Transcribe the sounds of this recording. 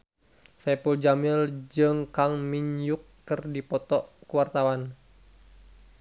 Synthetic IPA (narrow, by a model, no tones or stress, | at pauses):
sɛpuld͡ʒamild͡ʒɨŋkaŋmiɲjukːɨrdipɔt̪ɔʔkuwart̪awan